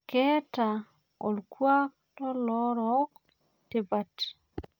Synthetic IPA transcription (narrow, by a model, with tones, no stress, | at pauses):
kɛ˦ta˨ | o˨lkwa˦k̚ | tɔ˦lɔ˦ɾɔk | te˨ba˨t